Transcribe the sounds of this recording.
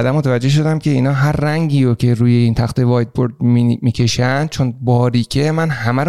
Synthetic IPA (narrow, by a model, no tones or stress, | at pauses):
d̪æmːo̞t̪ʰævæd͡ʒːe̞hʃ̬o̞d̪æmcʰe̞iːnɒːɦæɾːæŋɟiːɾocʲʰe̞ɾuːje̞iːnt̪ʰæxt̪evɒːjd̪̚boɾd̪̚mimiːcʰe̞ʃænd̪̚t͡ʃʰo̞nbɒːɾiːcʰe̞mænhæmæɾ